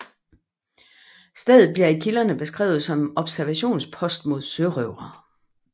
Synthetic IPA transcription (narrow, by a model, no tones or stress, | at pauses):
sd̥eð̩ˠb̥liɐikʰilɐnəb̥e̝sɡ̥ʁɛ̰ːʊð̞̩ˠsɒ̽mɒ̽b̥sæɐʋæɕo̝̰ːnspʰɒ̽sd̥mo̝ð̞̰ˠsøʁøʊ̰ʁɐ